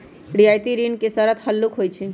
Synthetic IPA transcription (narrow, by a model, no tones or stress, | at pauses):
ɖijajt̪iɾinkesəɾət̪həlːukɦojt͡ʃʰi